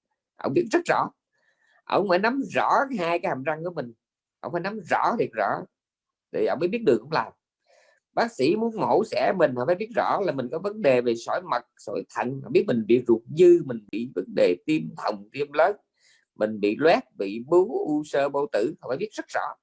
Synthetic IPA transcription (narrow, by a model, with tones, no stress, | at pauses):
ʔə̰˧wŋ͡mɓi˦˥t̚z̥ə˦˥t̚z̥ɔ̰˧˥ | ʔə̰˧˩wŋ͡mfaː˧˩jna˨˦mzɔ˧˥haː˧jkaː˨˦jha˨˩mza˧ŋku˧˩əmï˨˩ŋ̟ | ʔə̰˧wŋ͡mfaː˧˦na˨˦mzɔ̰˧˥t̪ʰi˨˩ək̚zɔ̰˧˥˦ | t̪ʰi˨˩ʔə˧wŋ͡mmə˨˦jɓi˦˥t̚ɗɨ˨˩k̚ʔə̰˧˥ŋ͡mlaː˨˩m | ɓaː˦˥k̚sḭ˧˥mu˨˦ənmo̰˧˥sɛ̰˧˥mï˨˩ŋ̟hfaː˧˦ɓi˦˥ət̚zɔ̰˧˥laː˨˩mï˨˩ŋ̟kɔ˨˦və˨˦nɗe˨˩ve˨˩sɔ̰˧˥˦jmə˨˩t̚so̰˧˥˦jt̪ʰə̰˧˨nhɔː˨˧˩ɓi˦˥ət̚mï˨˩ŋ̟ɓḭ˧˨zu˨˩ək̚zɨ˧mï˨˩ŋ̟ɓḭ˧˨və˨˦nɗe˨˩t̪i˧əmt̪ʰə˨˩wŋ͡mt̪i˧əmlə˨˦ | mï˨˩ŋ̟ɓḭ˧˨lwɛ˦˥t̚vḭ˧˨ɓu˨˦ʔu˧səː˧ɓo̰˧˨t̪ɨ̰˧˩o˨˩faː˧˦jɓi˦˥t̚z̥ə˦˥t̚zɔ̰˧˥